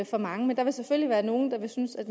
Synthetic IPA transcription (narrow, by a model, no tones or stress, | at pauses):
fɒ̽mɑ̈ŋəmend̥ɑ̈ʋe̝lsefølliʋæːɐno̝ːn̩d̥ɑ̈ʋe̝synəsæd̥